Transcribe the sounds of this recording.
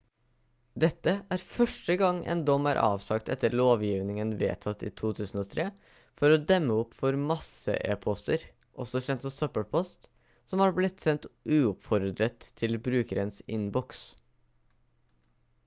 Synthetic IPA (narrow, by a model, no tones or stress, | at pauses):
d̪ɛt̪ːəʔæːɾfœʂʈəɡɑŋːʔɛ̰ːnd̪ɔmːæːɾʔɑ̰ːʋsɑkt̪ɛ̰t̪ːəɾɭoːʋjiːʋnɪŋənʋḛːt̪ʰɑt̪ːḭːt̪ʰuːt̪ʰʉːsn̩oːt̪ʰɾeː | fɔɾɔd̪ɛmːəɔpfɔɾmɑsə̰ʔḛːpʰɔst̪əɾ | ʔɔsɔçɛnt̪sɔsœpəɽpʰɔst̪ | sɔmhɑːɾblɪt̪sɛnt̪ʉːʊpfɔɾd̪ɾət̪ʰːɪlbɾʉːkəɾənsɪ̰nbɔks